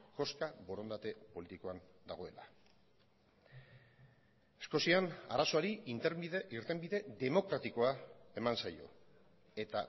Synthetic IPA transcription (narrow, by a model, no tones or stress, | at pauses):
ʝo̞skabo̞ɾo̞nd̪at̪e̞po̞lit̪iko̞and̪aɣ̞o̞e̞la̰ | esko̞siana̰ɾaso̞aɾi | iɾt̪e̞mbiðe̞ðe̞mo̞kɾat̪iko̞ae̞mansajo̞̰ | e̞t̪a